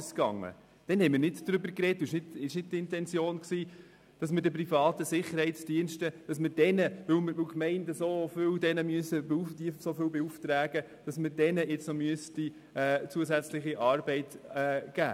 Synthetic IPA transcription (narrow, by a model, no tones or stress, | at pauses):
skɑ̰ŋːə̰ | d̥ɛnhɛɪmɪːɾnɪdd̥ɾʏbəɾkrɛt̚duɪʃnɪtɪʃnɪd̚tɪntɛnt͡sjoːnksiː | d̥ɑsməɾdəp̬rifɑːtəsɪχəɾhɛɪt͡sd̥iənʃtəd̥ɑsməd̥ɛnəʋɵwmɪʋɵwkmɛɪndəsofʏwdɛnəmyəsəbud̥isofʏlbɛuftɾæːɡə | d̥ɑsməɾdɛnəʔɪt͡snomyəsti | ɛːt͡suəs̬æt͡slɪχiʔɑːɾbɛɪtɛɡ̥æ̰ː